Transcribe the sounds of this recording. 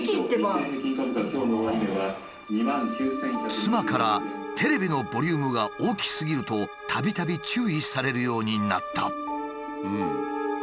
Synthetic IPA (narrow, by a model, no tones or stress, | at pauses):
ĩt̪eekʲiɲikat̪kakʲo̞ːnoaid̪eɡa | ɲimãŋkʲɨːsẽkt͡sɨmakaɾat̪ʰe̞ɾe̞bʲino̞bo̞ɾʲɯːmɯ̟ɡaʔoːkʲi̥sɨɡʲiɾɯ̟t̪o̞t̪ʰabʲit̪abʲit͡ɕɨːisaɾe̞ɾɯ̟jo̞ːɲ̟ina̰t̪ːa̰ | ɯ̃